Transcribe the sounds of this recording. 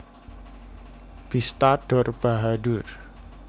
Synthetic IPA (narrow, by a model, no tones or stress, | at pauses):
b̥ist̪aɖ̥ɔrb̥aɦadʊr